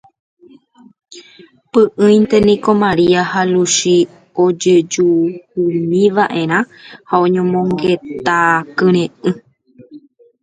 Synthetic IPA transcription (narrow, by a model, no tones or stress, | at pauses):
pɨʔɨ̃jnt̪e̞nĩko̞mãɾiahaluʃi | o̞d͡ʒe̞d͡ʒuhumĩʋaʔe̞ɾ̃ã | haõ̞ɲõmõ̞ŋɡe̞t̪akɨɾ̃ẽɨ̃